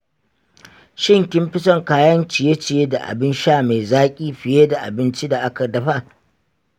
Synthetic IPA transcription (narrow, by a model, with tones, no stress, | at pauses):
ʃɪ˦ŋkʲɪ˦mɸɪ˦t͡ʃɐ˦ŋkaː˦jɐ˦nt͡ʃɪ˨je˦t͡ʃɪ˨je˦da˨ʔa̰˨bɪ˦nʃaː˦˨ma˨zaː˦kʲʼiː˦ɸɪ˨jeː˦da˨ʔa̰˨bɪ˦nt͡ʃi˦da˨ʔa˦ka˨dɐ˨ɸa˦